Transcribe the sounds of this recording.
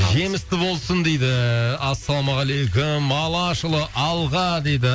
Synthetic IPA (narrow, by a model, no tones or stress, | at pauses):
ʒe̞mɪst̪ɪbo̞lˠsənd̪e̞jd̪ɪɑsːɑlˠomɑʁælejkʲʰʊmɑlˠɑʃəlˠəʔɑlˠʁɑd̪ejd̪ɪ